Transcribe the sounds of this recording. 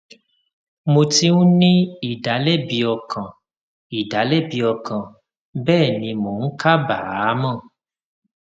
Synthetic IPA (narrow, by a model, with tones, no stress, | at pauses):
mo˧ti˧˦ũ˦nĩ˦i˦˨da˨˦lɛ˦bi˧ɔ˧kʰã˨ | i˨da˨˦lɛ˦˨bi˧ɔ˧kã˨ | bɛː˦˨nĩ˧mo˨n̩˦ka˦ba˨˦mã˦˨